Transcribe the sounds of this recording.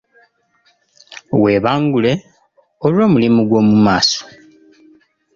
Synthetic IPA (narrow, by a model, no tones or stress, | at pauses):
we̞ːβaːŋɡule̞ | olwo̞ːmulimuɡwo̞ːmumaːso̥